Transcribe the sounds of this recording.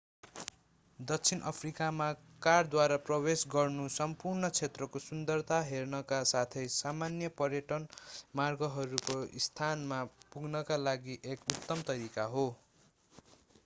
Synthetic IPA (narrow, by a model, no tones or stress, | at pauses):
d̪ʌk̚t͡sʰinʔʌ̰pʰrikama | kard̪waɾaprʌwesɡʌrnusʌmpurnʌt͡sʰet̪rʌkosund̪ʌrt̪aɦernʌkasat̪ʰʌjsamanjʌpʌrjʌʈʌnmarɡʌɦʌɾukoist̪ʰanmapuɡnʌkalaɡiʔekut̪ːʌmt̪ʌɾikaɦo